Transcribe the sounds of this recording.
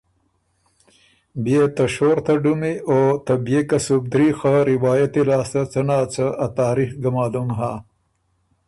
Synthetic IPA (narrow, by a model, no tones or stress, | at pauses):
bijet̪ɐʃoɾt̪ɐɖumiot̪ɐbjekɐsub̚d̪ɾixaɾɪwɑːjɐt̪ilɑːst̪ɐt͡sɐnaːt͡səːt̪aːɾixɡɐmɑːd̪umɦaː